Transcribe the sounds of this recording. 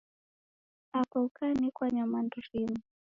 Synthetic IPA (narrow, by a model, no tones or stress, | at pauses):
apaukanikwaɲamanduɾimu